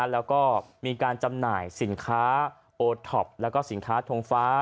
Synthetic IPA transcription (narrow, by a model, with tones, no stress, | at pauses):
lɛː˦˥wkɔː˥˩miː˧kaː˧nt͡ɕa˧mnaː˨˩jsi˩˦nkʰaː˦˥ | ʔoː˧t̪ʰɔ˨˩p̚lɛ˦˥wkɔː˥˩si˨˩˦nkʰaː˦˥t̪ʰoː˧ŋfaː˦˥